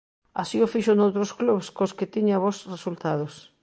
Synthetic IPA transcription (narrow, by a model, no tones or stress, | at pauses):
a̰siofiʃonowt̪ɾoskluβskosket̪iɲaβosresult̪að̞os